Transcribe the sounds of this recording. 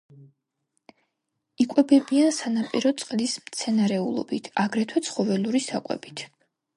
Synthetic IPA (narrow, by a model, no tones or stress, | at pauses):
ikʼwɛbɛbiansanapʼiɾɔt̪sʼqʼlismt̪sʰɛnaɾɛulˠɔ̰bit̪ʰaɡɾɛt̪ʰwɛt̪sʰχɔvɛluɾisakʼwɛ̰b̥it̪ʰ